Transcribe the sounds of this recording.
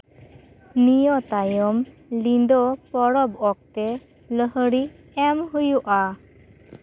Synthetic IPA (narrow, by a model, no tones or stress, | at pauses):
nijɔt̪ajɔm | lind̪ɔpɔɽɔbɔk̚t̪ɛ | ləɦəɽi | ɛmɦujuʔa